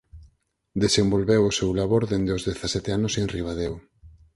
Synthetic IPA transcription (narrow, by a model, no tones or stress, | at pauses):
d̪esembolβewʊsewlaβoɾðend̪eozðeθasɛt̪eanoseŋriβaðew